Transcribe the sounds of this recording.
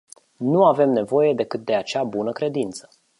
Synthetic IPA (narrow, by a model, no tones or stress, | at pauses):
nuave̞mne̞vo̞je̞d̪ekɨt̪̚d̪e̞at͡ʃabunəkɾe̞d̪int̪sə̥